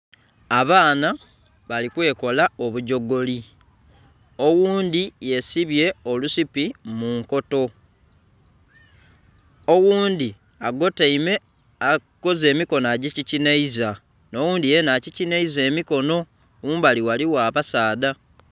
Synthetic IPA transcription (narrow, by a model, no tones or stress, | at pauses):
aβaːna | βalikwe̞ːko̞laoβuɟo̞ɡo̞li | o̞wuːnd̪ije̞siβje̞o̞lusipimuŋko̞to̞ | owuːnd̪i | aɡo̞teime̞ | ako̞ze̞ːmiko̞naɟicicineiza | nowuːnd̪ije̞nacicineize̞ːmiko̞no̞ | wuːmbaliwaliwaβasaːda